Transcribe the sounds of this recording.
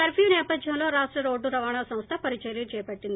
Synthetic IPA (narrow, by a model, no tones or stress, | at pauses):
kɐɾfijnɛːpɐd̪jɐmlo̞ːɾaːʂʈɾɐɾo̞ːɖːuɾɐʋaːɳaːsɐ̃mst̪ʰɐpɐɾit͡ʃɐjɾiːɾt͡ʃɛːjɐpɐʈːind̪i